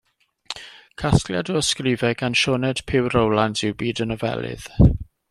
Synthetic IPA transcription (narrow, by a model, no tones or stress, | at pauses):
kʰaskljadɔɔskrɪvɛɡanʃɔnɛd̥pʰɪwɾəwlˠantɪwbiːdənəvɛ̰lˠɪ̰ð̥